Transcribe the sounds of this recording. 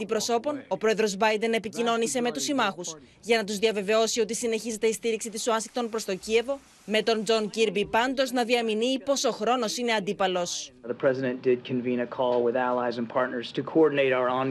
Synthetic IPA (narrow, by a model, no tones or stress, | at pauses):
d̪ipɾo̞so̞po̞no̞pɾoe̞ðɾo̞zbɐjd̪e̞ne̞picino̞nise̞me̞t̪usimɐxusʝɐnɐt̪uzðiɐve̞ve̞o̞sio̞t̪isine̞çize̞t̪e̞ist̪iɾiksit̪isuɐnsi̥k̚t̪o̞npɾo̞st̪o̞cie̞vo̞ | me̞t̪o̞nd͡zo̞nciɾbipɐnd̪o̞znɐðiɐminiːpo̞so̞xɾo̞no̞sine̞ɐnd̪ipɐlo̞sðəpʰɹ̥ɛzɪɾɨ̃nd̥ɪd̚kʰɨ̃nvĩnɨkʰɔlˠwɪðælˠaɪzɨ̃npʰɑɹtⁿnə˞z̥tʰɨkʰoɔɹdⁿn̩eɪɾaʊə˞õn